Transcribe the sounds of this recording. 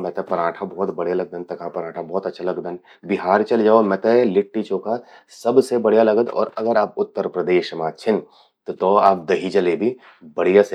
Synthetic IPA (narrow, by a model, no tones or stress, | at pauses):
mɛ̃t̪ɛpɐɾãːʈʰabɔːt̪bɐɽ̤jalɐɡ̚d̪ənt̪ɐkʰapɾaːʈʰabɔːt̪ɐtːʃʰalɐɡd̪ən | bɪɦaːɾt͡ʃɐld͡ʒaːomɛ̃t̪elɪʈːit͡ʃoːkasɐbsebɐɽ̤ijalɐɡəd̪ɔ̰ːɾɐɡəɾaːp̚ʊt̪ːəɾpɾəd̪eːʃmãt͡ʃʰɪn | t̪ot̪oaːp̚d̪ɐɦit͡ʃɐlebʱi | bɐɽijase